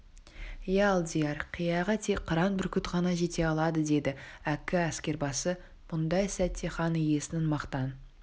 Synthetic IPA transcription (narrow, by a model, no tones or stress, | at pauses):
jalˠd̪ijɑɾqʰijɑʁət̪ʰekqʰːəɾɑnbɪɾkʲʏt̪ʁɑnɑʒe̞t̪e̞ɑlˠɑd̪əd̪e̞d̪ɪækʲɪæskʲe̞ɾbɑsə | b̥ʊnd̪ɑjsæt̪ʰːeχɑnije̞sɪnɪnmɑqt̪ɑn